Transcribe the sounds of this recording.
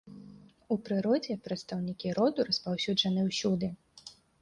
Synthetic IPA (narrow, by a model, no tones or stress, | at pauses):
upɾɨɾɔd͡zʲɛpɾɐt̪st̪ɐwnʲikʲiɾɔd̪uɾɐspawsʲud͡ʐɐnɨwsʲud̪ɨ